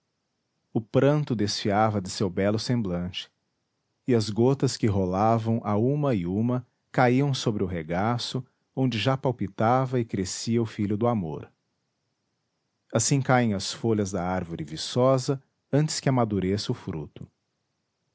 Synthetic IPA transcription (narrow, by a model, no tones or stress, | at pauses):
ʊpɾɐ̃nt̪ʊd̪esfiavɐd̪ɪsewbɛlʊsẽmblɐ̃t͡ʃɪ̥ | ɪɐzɡot̪ɐskɪɦolavɐ̃w̃ʔaũmɐɪũmɐ | kaiɐ̃w̃sobɾɪʊɦeɡasʊ | õnd͡ʒɪʒapawpit̪avɐɪkɾesiɐʊfiʎʊd̪ʊamo̰ɾ | asĩkaẽj̃ɐsfoʎɐzd̪ɐaɾvʊɾʔɪvisɔzɐ | ɐ̃nt͡ʃɪ̥skɪɐamad̪uɾesɪʊfɾṵt̪ʊ̥